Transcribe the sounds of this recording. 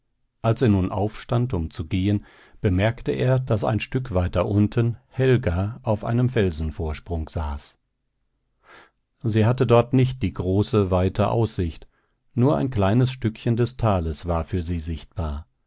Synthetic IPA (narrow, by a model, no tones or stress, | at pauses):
ʔalseːɐnuːnʔa̰ʊfʃtantʊmt͡suɡeːən | b̥əmɛɐktəʔeːɐd̥asa̰ɪnʃtʏkvaɪtɐʔʊntʰənhɛlɡaʔaʊfʔa̰ɪnəmfɛlzn̩foːɐʃpʁ̥ʊŋz̥aːs | ziːɦatədɔɐtnɪçt̚d̥iːɡʁoːsəvaɪtʰəʔa̰ʊsz̥ɪçt | nuːɐʔa̰ɪnkl̥aɪnəsʃtʏkçəndɛstʰaːləsv̥aːɐfyːɐziːzɪçt̚b̥aːɐ